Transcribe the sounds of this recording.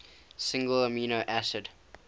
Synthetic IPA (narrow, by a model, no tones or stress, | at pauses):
sɪ̃ŋɡələmiːnoʔæsɪd